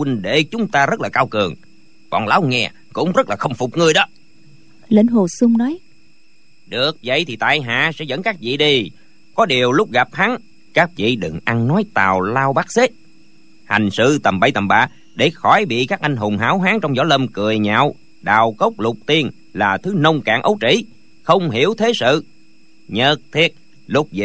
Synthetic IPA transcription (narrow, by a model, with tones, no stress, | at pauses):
wi˧ŋɗe˧˨t͡ɕʊ˨˦ŋ͡mt̪aː˧zə˦˥t̚laː˨˩kaː˧wkɨ˨˩əŋ | kɔ̰˧˨˩nlaː˨˦wŋɛ˧ | kʊ̰˧˥ŋ͡mzə˦˥t̚laː˨˩xə˧wŋ͡mfʊ˨˩k͡p̚ŋɨ˧əjɗɔ˨˦ | le˧˩nɦo˨˩sɨ˧ŋ͡mnɔ˨˦j | ɗɨ˨˩ək̚və̰˧˨jt̪ʰi˨˩t̪a̰ː˧˨jɦa̰ː˧˨sɛ̰˧˥zə̰˧˥nkaː˦˥k̚vḭ˧˨ɗi˧ | kɔ˨˦ɗi˨˩əwlʊ˦˥k͡p̚ɣa˨˩p̚ha˨˦ŋ | kaː˦˥k̚vḭ˧˨ɗɨ˨˩ŋʔa˧nnɔ˨˦jt̪aː˨˩wlaː˧wɓaː˦˥k̚se˦˥t̚ | ha̰˨˩jŋ̟sɨ̰˧t̪ə˨˩mɓə˧˩jt̪ə˨˩mɓa̰ː˧˨ | ɗe˧˩xɔ˧˩jɓḭ˧˨kaː˦˥k̚ʔa˧jŋ̟ɦo˨˩ŋ͡mɦaː˨˥wɦaː˨˦ŋt͡ɕɔ˧wŋ͡mzɔ̰˧˦lə˧mkɨ˨˩əjɲa̰ː˧˨w | ɗa̰ː˧˨wkə˦˥wk͡p̚lʊ˨˩k͡p̚t̪i˧ən | laː˨˩t̪ʰɨ˨˦nə˧wŋ͡mka̰ː˧˩˨nʔə˨˦wt͡ɕḭ˧˥˨ | xə˧wŋ͡mɦḭ˧˩əwt̪ʰe˨˦sɨ̰˧˨ | ɲə˨˩t̚t̪ʰi˦˥ət̚ | lʊ˦˥k͡p̚vḭ˧˨